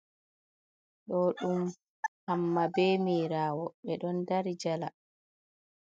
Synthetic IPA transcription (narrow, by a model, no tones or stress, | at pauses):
ɗɔɗum | hamːabɛːmiːɾaːwɔɓɛɗɔndaɾid͡ʒala